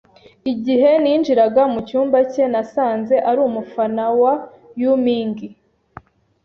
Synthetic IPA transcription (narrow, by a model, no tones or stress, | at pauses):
iɟiɦe̞niːnd͡ʒiɾaɡamucuːmbace̞nasaːnze̞ʔaɾuːmufanawa | jumiːŋɡi